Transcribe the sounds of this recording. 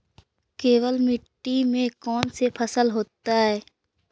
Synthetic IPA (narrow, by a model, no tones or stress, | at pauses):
keːwəlmɪʈːimẽkɔːnsepʰəsəlɦoːt̪aɦɛː